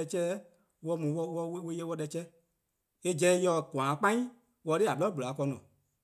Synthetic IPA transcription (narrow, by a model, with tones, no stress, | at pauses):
ɛ˧t͡ʃɛː˦ | wɔ˧˦mũ˨wɔ˧wɔ˧wwe˧˦jɛ˦wɔ˧˦ɗɛ˧˦t͡ʃɛː˦ | e˦d͡ʒɛ̃˧˦jɔ˧˨ɡãː˨˦k͡pã˦ĩ˦ | wɔ˧˦de˦˨a˨ɓlɔ˦bu˨laː˨˦kɔ˧nɔ̰̃ː˨